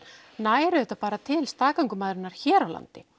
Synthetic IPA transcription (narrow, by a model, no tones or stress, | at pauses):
naːjɾʏðɛht̪ːapaːɾat̪ʰɪlst̪aːkawŋkʏmaðɾɪnːaɾ̥çɛːɾawla̰nt̪ɪ